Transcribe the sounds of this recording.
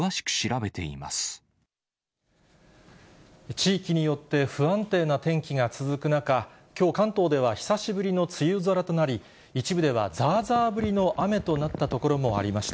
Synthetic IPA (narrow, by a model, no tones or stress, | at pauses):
aɕi̥kɯ̥ɕiɾabe̞t̪e̞̰ḭma̰sɨ̥ | t͡ɕiːkʲiɲ̟ijo̞t̪ːe̞ɸɯ̟ãnt̪e̞ːnat̪ẽ̞ŋkʲiɡat͡sɨzɨkɯ̟naka | kʲo̞ːkãnt̪o̞ːd̪e̞β̞açi̥saɕibɯ̟ɾʲino̞t͡sɨjɯːzoɾat̪o̞naɾʲi | it͡ɕibɯ̟d̪e̞β̞a̰d͡zaːzaːbɯ̟ɾʲino̞ʔame̞t̪o̞nat̪ːat̪o̞ko̞ɾo̞mo̞a̰ɾʲimaɕi̥t̪a